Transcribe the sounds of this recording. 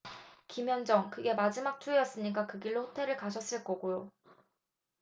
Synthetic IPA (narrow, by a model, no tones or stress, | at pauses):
kimjʌnd͡ʑʌŋkɯɡe̞mad͡ʑimak̚tʰuejʌs͈ɯɲik̬͈akɯɡiɭːoɸotʰe̞ɾɯɭkaɕʰʌs͈ɯɭk͈ʌɡujo